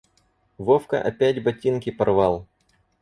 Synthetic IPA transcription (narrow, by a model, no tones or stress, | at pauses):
vofkə̰ʔɐ̰pʲætʲbɐtʲinkʲɪpɐrvɑlˠ